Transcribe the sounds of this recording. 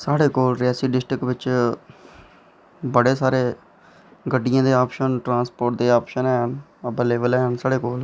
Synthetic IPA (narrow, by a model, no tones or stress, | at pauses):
saːɽeːkoːlɾɪaːsiːɖɪsʈɾɪkʋɪt͡ʃ | bəɽeːsaːɾeː | ɡəɖːɪjãːd̪eːaːpʃənʈɾãːnspoːɾʈ̚d̪eːaːpʃənɦɛːɦən | əbəleːʋəlɛːɦənsaːɽeːkoːl